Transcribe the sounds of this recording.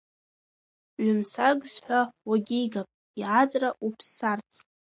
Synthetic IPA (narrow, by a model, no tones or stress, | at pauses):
ʕʊmsaɡzħʷᶣawaɡʲijɡapʼ | iʕat͡sʼraʔupʰsːart͡sʰ